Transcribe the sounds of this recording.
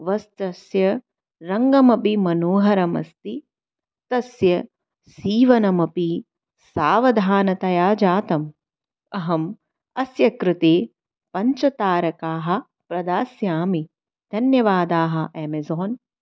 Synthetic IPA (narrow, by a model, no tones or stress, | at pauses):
ʋɐst̪ɐsjɐ | ɾɐŋɡɐmɐpimɐnoːɦɐɾɐmɐ̰st̪i | t̪ɐsjɐ | siːʋɐnɐmɐpi | saːʋɐd̪ʱaːnɐt̪ɐjaːd͡ʒaːt̪ɐm | ɐɦɐm | ɐsjɐkɾɪt̪eː | pɐɲt͡ʃɐt̪aːɾɐkaːɦɐ̆ | pɾɐd̪aːsjaːmi | d̪̥ʱɐnjɐʋaːd̪aːɦɐ̆ʔeːmezɔːn